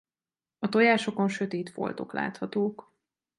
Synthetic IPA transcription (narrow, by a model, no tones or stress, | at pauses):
ɒt̪o̞jaːʃo̞ko̞nʃø̞t̪eːt̪fo̞̰lt̪o̞̰kla̰ːt̪hɒt̪oːk